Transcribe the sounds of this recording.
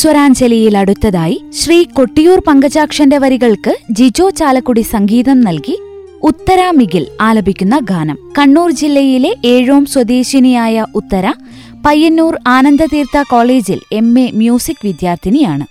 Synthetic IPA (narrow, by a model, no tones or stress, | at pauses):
swɐɾaːnt͡ɕeliɐjilɐɽut̪ːɐðaːjiɕriːko̞ʈːijuːrpɐŋɡɐt͡ɕaːkʂɐndeʋɐɾiɣɐɭkɨd͡ʑid͡ʑo̞ːt͡ɕaːlɐkːuɽisɐŋɡiːðɐmnɐlki | ut̪ːɐɾaːmiɡilaːlɐbʱikʲːunːɐɡʱaːnɐmkɐɳːuːrd͡ʑilːɐjile̞ʔeːɻoːmswɐd̪eːɕinijaːjɐʔut̪ːɐɾɐ | pɐjːɐnːuːraːnɐnd̪ɐt̪iːrt̪ɐko̞ːɭeːd͡ʑile̞mːe̞mjuːsikːʋid̪jaːrt̪ʰinijaːɳɨ